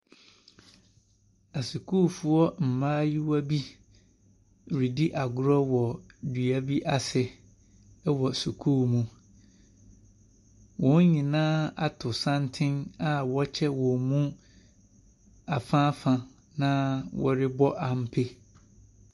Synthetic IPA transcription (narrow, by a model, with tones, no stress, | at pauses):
a˨su˨kʰuː˦fu˨ɔ˦m̩˨mãː˦ji˦wa˦bi˦ | ɾi˨di˦ʔa˨ɡʊ˦ɾɔ˦wɔ˨dɥæ˦bi˦ʔa˦sɪ˨ | ɛ˦wɔ˨su˨kʰuː˦mũ˦ | wɔ̃˨˦n˦ɲĩ˨nãː˦a˨tʰʊ˨sã˦ntʰɪ̃˦na˦wɔ˦t͡ɕʰɛ˦wɔ̃˨mũ˦ | a˨fãː˦fã˨ | nã˦wɔ̰˦ɾɪ˦bɔ˦ʔa˨m̩˦pʰe˦